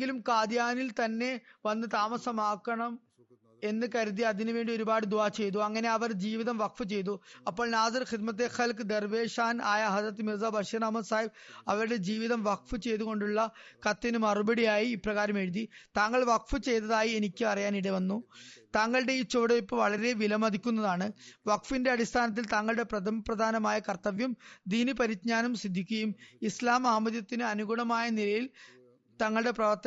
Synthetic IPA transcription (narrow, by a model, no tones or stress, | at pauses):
ŋɡilumkaːd̪jaːnilt̪ɐnːe̞ʋɐnːɨt̪aːmɐsɐmaːkːɐɳɐm | e̞nːɨkɐɾuðiɐðinɨʋe̞ːɳɖio̞ɾubaːɽɨd̪uʋaːt͡ɕe̞jt̪̬uɐŋːɐne̞ɐʋɐrd͡ʑiːʋiðɐmʋɐkfɨt͡ɕe̞jt̪uɐpːo̞ːɭnaːsɐɾxid̪mɐt̪̬ːeːxɐlkɨd̪erʋe̞ːʂaːnaːjɐɦɐdrɐt̪ːɨmirzaːbʱɐʂɐnɐmɐnsaːjibɐʋɐɾuɽe̞d͡ʑiːʋiðɐmʋɐkfɨt͡ɕe̞jt̪uɣo̞ɳɖuɭːɐkɐt̪ːinɨmɐrubɐɽijaːjiːprɐɣaːɾɐme̞ɻuðit̪aːŋːɐɭʋɐk̚fɨt͡ɕe̞jt̪̬ːɐðaːjie̞nikʲːɨɐrɐjaːniɽeʋɐnːut̪aːŋːɐɭɨɽe̞it͡ɕːoːɽeipːoːʋɐɭɐɾe̞ʋilɐmɐd̪ʱikʲːunːɐðaːɳɨʋɐkfinde̞ɐɽist̪ʰaːnɐt̪̬ːilt̪aːŋːɐɭɨɽe̞prɐd̪ʱɐmɐprɐd̪ʱaːnɐmaːjɐkɐrt̪ɐʋjɐmd̪iːnipɐɾit̪ɲaːnɐmsid̪ʱːikʲːɐjumislaːmaːmɐðjɐt̪ːinɨɐnuɡuɳɐmaːjɐnilɐjil | t̪ɐŋːɐɭɨɽe̞prɐʋɐrt̪ɐ